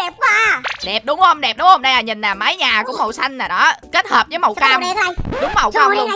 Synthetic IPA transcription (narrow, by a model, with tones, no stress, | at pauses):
ɗɛ˨˩p̚a˨˧˩ɗɛ˨˩p̚ɗʊ˨˦wŋ͡mhə˧wŋ͡mɗɛ˨˩p̚ɗʊ˨˦wŋ͡mho˧wŋ͡mɗa˧jʔaː˨˩ɲï˨˩ŋ̟laː˨˩ma˨˦jɲaː˨˩ku˧˩əmo̰˧˩˨wsa˧jŋ̟aː˨˩ɗɔ˨˦ke˦˥t̚həː˨˩p̚zəː˨˦jmə̰˨˧˨wkaː˧wŋ͡mɗʊ˨˦ŋ͡ma˨˩wkaː˧wl